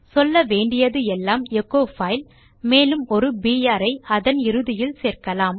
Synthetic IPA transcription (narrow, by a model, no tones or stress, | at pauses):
sɔlːɐʋeːɳɖɪjɐðɯɛlːaːmjɛkːoːfɐɪl | meːlɯmɔɾɯbiːjaːɾɐɪɐðɐnɪɾɯðɪjɪlseːrkɐlaːm